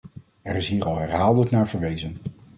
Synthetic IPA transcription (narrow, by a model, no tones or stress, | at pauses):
ɛɾɪsɦiːɹɑlˠɦɛɹɦaːlˠdələknaːɹv̥əɹʋejzən